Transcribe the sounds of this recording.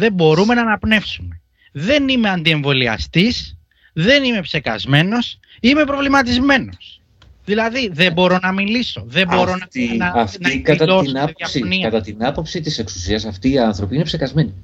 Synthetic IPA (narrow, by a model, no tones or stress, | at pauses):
ðe̞bo̞ɾume̞nɐnɐpne̞fsume̞ | ðe̞nime̞ɐnd̪ieɱvo̞liɐ̰st̪is | ðe̞nime̞pse̞kɐ̰zme̞no̞s | ime̞pɾo̞vlimɐt̪izme̞no̞s | ðilɐðiðe̞bo̞ɾo̞nɐmiliso̞ðe̞bo̞ɾo̞nɐɐɐfnɐiɐt̪ɐoɐɐsniɐɐt̪ɐt̪inɐpo̞psit̪ise̞ksu̥siɐsɐft̪iːɐnθɾo̞piinepse̞kɐzme̞ni